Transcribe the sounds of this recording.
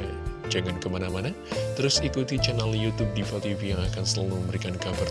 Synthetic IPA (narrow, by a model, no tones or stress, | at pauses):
d͡ʒaŋankəmanamana | t̪əɾʊsikut̪it͡ʃɛnaljut̪ub̚dipɔt̪ifijaŋakansəla̰luməmbəɾikankabar